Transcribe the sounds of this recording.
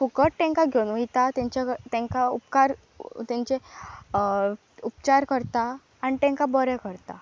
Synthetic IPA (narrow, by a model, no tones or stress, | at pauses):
fukəʈ̪ːɛ̃ŋkaɡʱjonũit̪at̪ɛ̃ɲt͡ɕat̪ɛ̃ŋkaupkaɾ | t̪ɛ̃ɲt͡ɕe | upt͡ɕaɾkəɾt̪aː | nit̪ɛ̃ŋkabəɾɛkəɾt̪a